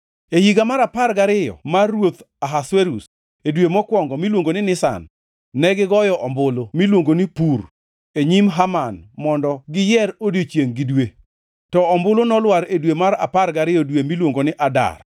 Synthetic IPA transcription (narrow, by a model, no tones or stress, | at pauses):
ehiɡamaɾapaɾɡaɾɪjɔ̰marːwot̪ | aɦasweɾus | edwemɔkwɔŋɡɔmilwoŋɡonɪnɪsa̰nː | ɛɡɪɡɔjɔʔɔmbʊlomilwoŋɡonɪpur | eɲimɦamanmɔndɔɡɪjɛɾodjot͡ʃjeŋɡɪdwe | tɔɔmbʊlonɔlwaɾedwemaɾa̰paɾɡaɾɪjɔdwemilwoŋɡonɪʔada̰r